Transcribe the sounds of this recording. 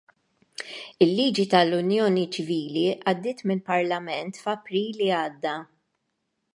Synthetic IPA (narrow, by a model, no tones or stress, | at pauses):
ɪlːiːd͡ʒit̪ɐlʊnjɔːnit͡ʃɪviːliʔɐd̪ːɪːt̪mɪlpɐɾlɐmɛnt̪fɐpɾiːliɐːd̪ːɐ